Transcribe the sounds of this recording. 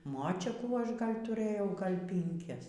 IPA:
ˈmoːt͡ʃʲɛkuː ˈɐʃ ˈɡɐlʲ tʊˈrʲeːjɛʊ ˈɡɐlʲ pʲɪŋʲˈkʲɛs

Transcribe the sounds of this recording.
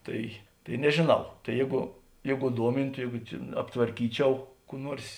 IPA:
ˈtɐɪ tɐɪ nʲɛʒʲeːˈnɐʊ tɐɪ ˈjeːɡʊ ˈjeːɡʊ ˈduɔmʲɪntʊ ˈjeːɡʊ t͡ʃʲɛ ɐptʋɐrʲˈkʲiːˌt͡ʃʲɛʊ kuː ˈnuɔrs

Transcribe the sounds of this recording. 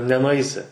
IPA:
nʲɛnʊˈɐɪsʲɪ

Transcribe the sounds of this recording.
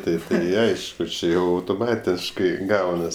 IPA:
ˈtɐɪp tɐɪ ˈɐɪʃkʊ ˈt͡ʃʲɪ ˈjɛʊ ɐʊtoːˈmɑːtʲɪʃkɐɪ ˈɡɐʊnɐs

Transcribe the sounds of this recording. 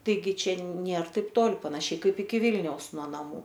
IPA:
tɐɪˈɡʲɪ ˈt͡ʃʲɛ ˈnʲeːr ˈtɐɪp ˈtoːlˠ pɐnɐˈʃʲɛɪ ˈkɐɪp ɪkʲɪ ˈʋʲɪlʲnʲɛʊs nuɔ nɐˈmuː

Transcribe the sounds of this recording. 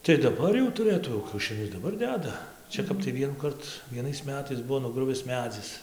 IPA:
tɐɪ dɐˈbɐr jɛʊ tʊˈrɘtuː jɛʊ kʲɛʊʃʲɪˈnʲʊs dɐˈbɐr ˈdʲæːdɐ ˈt͡ʃʲɛ kɐp tɐɪ ˈʋʲiɛnuːkɐrt ʋʲiɛˈnɐɪs ˈmʲæːtɐɪs ˈbʊʋoː nʊˈɡrʊʋʲɪs ˈmʲæːd͡zʲɪs

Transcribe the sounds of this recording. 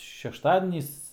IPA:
ʃʲɛʃˈtɑːdʲɛnʲiːs

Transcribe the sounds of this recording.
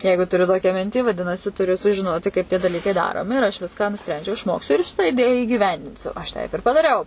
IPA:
ˈjɛɪɡʊ tʊˈrʲʊ ˈtoːkʲæː ˈmʲɪnʲtʲiː ʋɐˈdʲɪnɐsʲɪ tʊˈrʲʊ sʊʒʲɪˈnoːtʲɪ kɐɪp tʲiɛ dɐˈlʲiːkɐɪ ˈdɑːroːmʲɪ ɪr ɐʃ ˈʋʲɪskɑː nʊˈsʲpʲrʲɛnʲd͡ʒʲɛʊ ɪʃˈmoːksʲʊ ɪr ʃʲɪtɑː ɪˈdʲeːjæː iːɡʲiːˈʋʲɛnʲdʲɪnʲsʲʊ ɐʃ ˈtʲɛɪp ɪr pɐdɐˈrʲɛʊ

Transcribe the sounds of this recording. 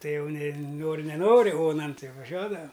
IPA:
ˈtɐɪ ˈjɛʊ nʲɛ ˈnoːrʲɪ nʲɛˈnoːrʲɪ ˈoːnɐn ˈtʲɪ ʋɐˈʒʲuɔdɐʋɐm

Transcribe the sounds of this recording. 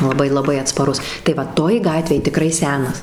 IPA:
lˠɐˈbɐɪ lˠɐˈbɐɪ ɐtspɐˈrʊs tɐɪ ˈʋɐ ˈtoːj ˈɡɑːtʲʋʲeːj tʲɪˈkrɐɪ ˈsʲæːnɐs

